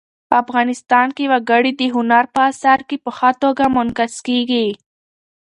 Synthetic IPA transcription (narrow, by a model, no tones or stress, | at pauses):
pəafɣɑnɪst̪ɑnkewaɡaɽid̪əɦʊnaɾpəasaɾkepəxɑt̪oɡamʊnkaskeɡi